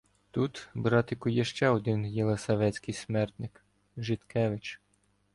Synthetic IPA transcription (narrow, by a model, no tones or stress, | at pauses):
t̪ut̪bɾɑt̪ɪkʊjɛʃt͡ʃɛɔd̪ɪnjɛlˠesɐʋɛsʲkɪjsmɛrt̪nɪk | ʒɪt̪kɛʋɪt͡ʃ